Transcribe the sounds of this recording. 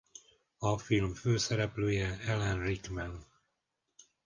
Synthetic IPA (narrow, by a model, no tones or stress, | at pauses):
ɒfilmføːsɛɾɛpløːjɛɛlɛnrikmɛn